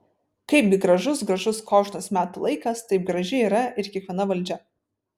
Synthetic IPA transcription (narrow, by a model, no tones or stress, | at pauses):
kɐɪpɡʲɪɡɾɐʒʊsɡɾɐʒʊskoːʃnosmʲæːt̪ʊlˠɐɪkɐst̪ɐɪp̚ɡɾɐʒʲɪiːɾɐʔɪɾkʲiɛkʋʲiɛnɐʋɐlʲˑd͡ʒʲɛ